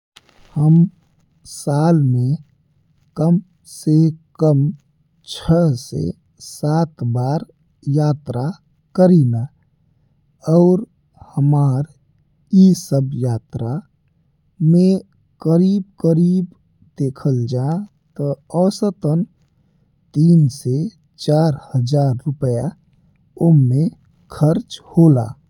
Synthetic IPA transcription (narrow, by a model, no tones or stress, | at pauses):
həm | saːlmẽ | kəm | sekəm | t͡ʃʰəsḛ | sat̪baːɾ | jaːt̪ɾa | kəɾina | ɔʊɾ | həmaːɾ | isəbjaːt̪ɾa | me | kəɾibkəɾib | d̪ekʰəld͡ʒa | t̪ɔɔːsət̪ən | t̪iːnse | t͡ʃaːɾhəd͡ʒaːɾːʊpəja | ome | kʰəɾt͡ʃhola̰